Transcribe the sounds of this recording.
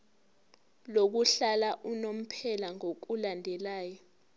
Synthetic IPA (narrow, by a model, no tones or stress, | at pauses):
lok̬uɬalaʔunom̩pʰɛlaŋok̬ulandʱɛlaːjɔ